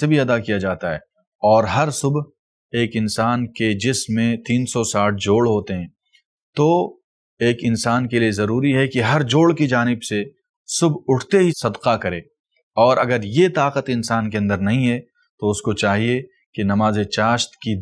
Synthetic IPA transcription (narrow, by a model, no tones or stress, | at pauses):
ebʱiɐd̪akijad͡ʒaːt̪aɦɛː | ɔːɾɦɐɾsʊb | eːkɪnsaːnked͡ʒɪsmːẽt̪iːnsɔsaːʈ̚ʰd͡ʒoːɭɦoːt̪eɦɛ̃ː | t̪o | eːkɪnsaːnkeliezɐɾuːɾiɦɛkiɦɐɾd͡ʒoːɭkid͡ʒaːnɪbse | sʊbʱʊʈʰt̪eɦisɐd̪qakɐɾẽː | ɔːɾɐɡəɾjet̪aːqət̪ɪ̃nsaːnkeɐ̃nd̪əɾnɐɦĩɦɛ | t̪oʊskot͡ʃaːɦie | kinɐmaːzet͡ʃaːʃt̪ki